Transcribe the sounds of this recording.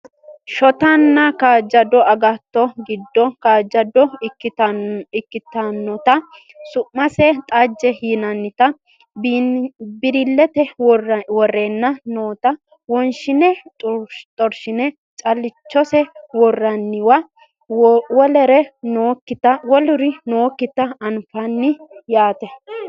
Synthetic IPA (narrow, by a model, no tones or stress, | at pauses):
ʃɔt̪ɐnːɐkaːd͡ʒːɐd̪ɔɐɡɐt̪ːɔɡɪd̪ːɔkaːd͡ʒɐd̪ɔɪkːɪɪkːɪt̪ɐnːɔt̪ɐ | sʊʔːɐsɛt̪ʼad͡ʒːɛhiːnɐnːɪt̪ɐ | b | bɪɾɪlːɛt̪ɛwwɔrːeːnːɐnoːt̪ɐ | wɔnʃɪnɛt̪ʼt̪ʼɔɾʃɪnɛ | t͡ʃʼɐlɪt͡ʃːɔsɛwɔrːɐnːɪwɐ | wɔlɛɾɛnoːkːɪt̪ɐwɔlʊɾɪnoːkːɪt̪ːɐɐnfɐnːɪjaːt̪ɛ